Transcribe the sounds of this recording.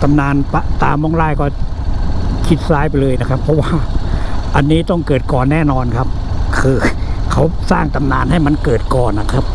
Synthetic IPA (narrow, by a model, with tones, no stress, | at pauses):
t̪a˧mnaː˧npa˧t̪aː˧mɔː˧˥˩ŋɾaː˧˥˩jkɔː˥˩ | kʰi˦˥t̪̚ssaː˦˥jpa˧jlɤː˧jna˦˥kʰa˦˥pʰːɔ˦˥waː˥˩ʔa˧nːiː˦˥t̪ɔ˥˩ŋkɤː˨˩t̪̚kɔː˨˩nːɛː˥˩nɔː˧nkʰa˦˥p̚ | kʰɯː˧kʰa˦˥wsaː˥˩ŋt̪a˧mnaː˧nɦa˥˩jma˧˥nkɤː˨˩t̪̚kɔː˨˩nːa˧˨˩kʰa˦˥p̚